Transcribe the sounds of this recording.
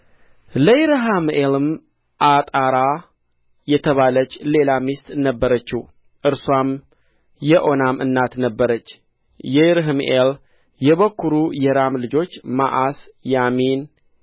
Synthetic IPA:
ləɾɦamelɨm | ʔat̪ʼaɾa | jɛt̪ʰəβalət͡ʃːle̞lamist̪nəbːəɾət͡ʃːi | ʔɨɾswam | jɛʔo̞namɨ̰nːat̪nəbːəɾət͡ʃː | jɛɾɦɨmʔel | jɛβəkːuɾujɛɾamlɨd͡ʒo̞t͡ʃːma̰ʔasjamin

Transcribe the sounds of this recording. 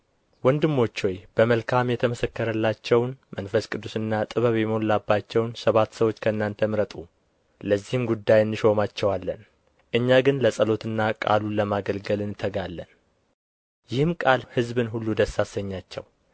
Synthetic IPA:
wɔnd̪ɨmːo̞t͡ʃːojb̥əməlkʰamjɛt̪ʰəməsəkːəɾəlːat͡ʃːɛwnmənfəskʼɨd̪ːusɨnːat̪ʼɨβəβjɛməolabːat͡ʃːɛwnsəβat̪ːsəwo̞t͡ʃːkʰəɨnːant̪ʰəmɾət̪ʼu | ləzːihɨmɡud̪ːajɨnːɨʃo̞mat͡ʃːɛwalːən | ʔɨɲːaɡɨnləsʼəlo̞t̪ɨnːakʼa̰luləmaɡəlɡəlɨnɨt̪ʰːəɡalːən | jɪhɨmkʼalhɨzbɨnɦulːud̪əsːasəɲːat͡ʃːɛ̰w

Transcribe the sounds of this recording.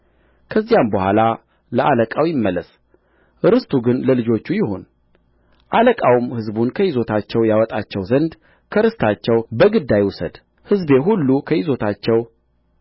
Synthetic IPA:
kʰəzːijambəhʷala | ləʔaləkʼawjɪmːəlːəs | ʔɨɾɨst̪ʰuɡɨnləlɨd͡ʒo̞t͡ʃːujɪho̞n | ʔaləkʼawumhɨzbunkʰəjɪzo̞t̪ʰat͡ʃːɛwjawɔt̪ʼat͡ʃːɛwzənd̪ | kʰəɾɨst̪ʰat͡ʃːɛwbəɡɨd̪ːajusə̰d̪̥ | hɨzbe̞ɦulːukʰəjɪzo̞t̪ʰat͡ʃːɛw

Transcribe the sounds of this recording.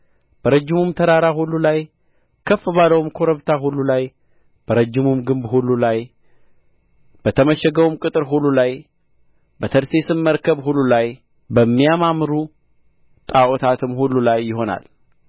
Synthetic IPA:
b̥əɾəd͡ʒːɪmumt̪ʰəɾaɾaɦulːulaj | kʰəfːɨβaləwumkʰo̞ɾəβt̪ʰaɦulːulaj | b̥əɾəd͡ʒːɪmumɡɨmbɦulːulaj | b̥ət̪ʰəməʃɛɡəwumkʼɨt̪ʼɨɾɦulːulaj | bət̪ʰəɾse̞sɨmːəɾkʰəβhulːulaj | bəmːijamamɾu | t̪ʼaʔot̪ʰat̪ʰɨmhulːulajːɪɦo̞na̰l

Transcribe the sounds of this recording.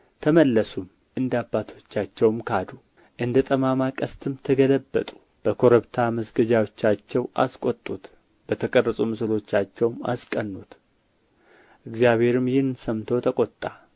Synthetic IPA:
t̪ʰəməlːəsum | ʔɨnd̪abːat̪ʰo̞t͡ʃːat͡ʃːɛwmkʰad̪u | ʔɨnd̪ət̪ʼəmamakʼəst̪ʰɨmt̪ʰəɡələbːə̰t̪ʼu̥ | b̥əkʰo̞ɾəβt̪ʰaməsɡəd͡ʒawo̞t͡ʃːat͡ʃːɛwʔa̰skʷʼot̪ʼːut̪ | b̥ət̪ʰəkʼərːəsʼumɨsɨlo̞t͡ʃːat͡ʃːɛwma̰skʼənːut̪ | ʔɨɡzjaβhe̞ɾɨmjɪhɨnsəmt̪ʰo̞t̪ʰəkʼo̞t̪ʼːa

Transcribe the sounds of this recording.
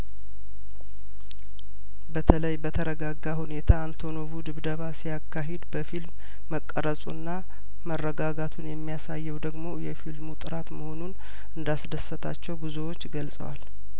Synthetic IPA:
bət̪ʰələjbət̪ʰəɾəɡaɡːahune̞t̪ʰaːnt̪ʰo̞noβud̪ɨβd̪əβasijakːaɦed̪bəfilmː | əkʼːəɾəsʼunːa | mərːəɡaɡat̪ʰunjɛmːijasajːɛwd̪əɡmo̞jɛfilmut̪ʼɨɾat̪məho̞nun | ʔɨnd̪asd̪əsːət̪ʰa̰t͡ʃːɛwbuzuwot͡ʃːɡəlsʼə̰wa̰l

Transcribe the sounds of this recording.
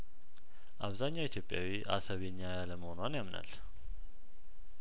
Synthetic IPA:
ʔaβzaɲːawit̪ʰjo̞pʼːjawiʔa̰səβeɲːajaləməhonwanjamna̰l

